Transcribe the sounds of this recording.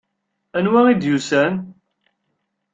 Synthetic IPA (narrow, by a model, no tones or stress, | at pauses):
ænwæid̪jusæn